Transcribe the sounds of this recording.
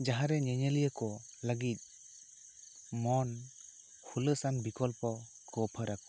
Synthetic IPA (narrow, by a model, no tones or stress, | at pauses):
d͡ʒaɦaɾɛɲɛɲelijəkɔləɡit̪̚ˀ | mɔn | kʰuləsanbikɔlpɔ | kɔpʰəɾakɔ̥